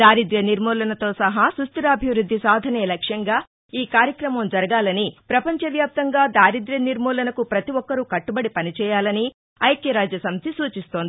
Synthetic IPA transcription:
d̪aːɾid̪ɾjɐniɾmɔːlɐnɐt̪o̞ːsɐɦasust̪ɐɾɐːbʱjiʋɾud̪ʱːisaːd̪ʱɐnɛːlɐkʂjɐŋɡaː | iːkaːɾjɐkɾɐmɐmd͡ʒɐɾɐɡaːlɐnipɾɐpɐɲt͡ʃɐʋjaːp̚t̪ɐŋɡaːd̪aːɾid̪ɾɐniɾmɔːlɐnɐkupɾɐt̪iʋɔkːɐɾukɐʈːubɐɽipɐnit͡ʃɛːjaːlɐni | ɐjɐkjɐɾaːd͡ʒjɐsɐmt̪isuːt͡ʃist̪oːnd̪i

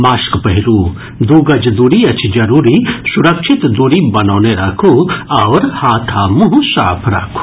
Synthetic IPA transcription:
maːskpɐɦiɾuː | d̪uːɡɐd͡ʒd̪uɾiɐt͡ʃʰid͡ʒɐɾuːɾisuɾɐkʃʰit̪d̪uɾibɐnɐːneɾakʰuɐʋɾhaːt̪ʰaːmuɦũsa̰ːpʰɾa̰ːkʰu̥

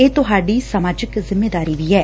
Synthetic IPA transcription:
eːt̪ʊɦaːɖiːsəmaːd͡ʒɪkzɪmːeːd̪aːɾiːʋiːɛː

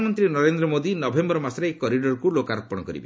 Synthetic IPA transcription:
mɔnt̪ɾinɔɾend̪ɾɔmod̪inɔbʱembɔɾɔmasɾaekɔɾiɖɔɾkulokaɾɔpɔɽ̃ɔkɔɾḭbe

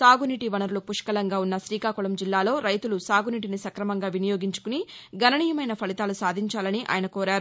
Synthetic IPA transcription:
saːɡuniʈiʋɐnɐɾulupuʂkɐlɐŋɡaːunːɐsɾiːkaːkulɐmd͡ʒilːaːlo̞ːɾɐjt̪ulusaːɡuniːʈ̬inisɐkɾɐmɐŋɡaːʋinɐjoːɡiɲt͡ʃu̥kuniɡɐnɐɳiːjɐmɐjnɐpʰɐlit̪aːlusaːd̪ʱiɲt͡ʃaːlɐniʔa̰ːjɐnɐkoːɾaːɾu

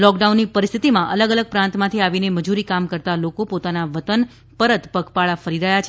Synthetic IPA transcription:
lɔkɖaunːipəɾist̪ʰit̪imãʔələɡələɡ̚pɾãnt̪mãt̪ʰiaʋineməd͡ʒuɾikamkəɾt̪alokopot̪anaʋət̪ən | pəɾət̪pəkpaɭafəɾiɾəɦjat͡ʃʰ

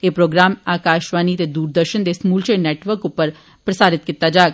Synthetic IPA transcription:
eːpɾoːɡɾaːmaːkaːʃʋaːnit̪ed̪uːɾd̪əɾʃənd̪eːsmuːlt͡ʃenɛːʈʋəɾkʊpːəɾ | pɾəsaːɾɪt̪̚kɪt̪ːad͡ʒaːɡ

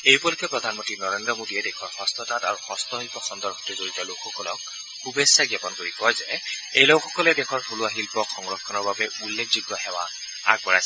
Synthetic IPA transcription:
ejpɔlikɛpɹɔd̪ʱanmɔntɹinɔɹendɹɔmodiɛdɛkʰɔɹxɔst̪ɔtata̰ɹuxɔst̪ɔɦipɔxɔndɔɹɡʰʱɔ̥tɛzoɹitɔlokʰxɔkɔlɔk̚ | kubesaɡjɔpɔnkoɹikɔzɛejlɔkʰːɔkɔlɛdɛkʰɔɹtʰoluaɦilpɔxɔŋɹɔkʰːɔnɔɹbabɛʔulːekʰzuɡ̚ɔhɛwa̰ | a̰ɡ̚bɔɹajsɛ

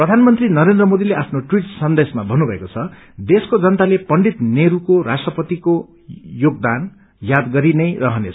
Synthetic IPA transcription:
prʌd̪ʱanmʌnt̪rinʌɾend̪rʌmod̪ileʔapʰnoʈwiʈsʌnd̪esmabʱʌnːubʱʌekot͡sʰʌ | d̪eskod͡zʌnt̪alepʌɳɖit̪neɾukoɾasʈrʌpʌt̪iko | joɡ̚d̪an | jad̪ɡʌɾinʌjrʌɦʌnet͡sʰ

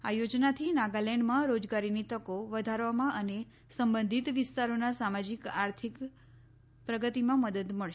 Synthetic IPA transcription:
a̰jod͡ʒnat̪ʰinaɡalɛɳɖmãɾod͡ʒɡaɾinit̪əkoʋəd̪ʱaɾʋamãʔəne | səmbə̃nd̪ʱit̪ʋɪst̪aɾonasamad͡ʒikaɾt̪ʰik | pɾəɡət̪imãməd̪əd̪məɭʃ

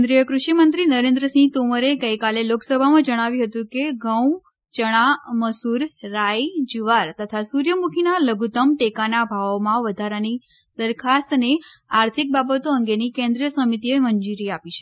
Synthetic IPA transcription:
knd̪ɾijəkɾuʃimənt̪ɾinəɾẽnd̪ɾəsĩt̪oməɾeɡəjkaleloksəbʱamãd͡ʒəɽ̃aʋĩɦət̪ũkeɡəw̃ | t͡ʃəɽ̃aməsuɾːaid͡ʒiʋaɾt̪ət̪ʰasuɾjəmukʰinaləɡʱut̪əmʈekanabʱaʋmãʋəd̪ʱaɾəni | d̪əɾkʰast̪neaɾt̪ʰik̚babət̪oəŋɡenikẽnd̪ɾijəsəmit̪ieməɲd͡ʒuɾiapit͡ʃʰe̥

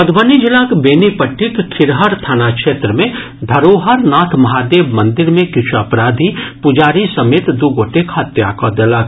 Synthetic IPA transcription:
pɐd̪ʋənid͡ʒɪlakbeːnipəʈːɪkkʰɪɾɦəɾt̪ʰaːnakʃeːt̪ɾəmẽ | d̪ʱɐɾoːɦəɾnaːt̪ʰmɐɦaːd̪eːbmɐ̃nd̪ɪɾmẽkɪt͡ʃʰuɐpɾaːd̪ʱipʊd͡ʒaːɾisɐmeːt̪d̪uɡoːʈekʰɦɐt̪ja̰kad̪ɐlak

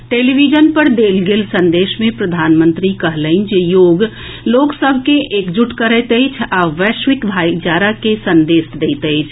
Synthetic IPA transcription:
ʈeːlibid͡ʒənpəɾd̪eːlɡeːlsə̃nd̪eːʃmẽpɾəd̪ʱaːnmə̃nt̪ɾikəɦləɪnd͡ʒejoːɡ | loːksəbʱkeʔeːkd͡ʒuʈkəɾət̪əɪt͡ʃʰaʋɛːʃʋɪkbʱaːjd͡ʒaːɾakesə̃nd̪eːsd̪eɪt̪əɪt͡ʃʰ

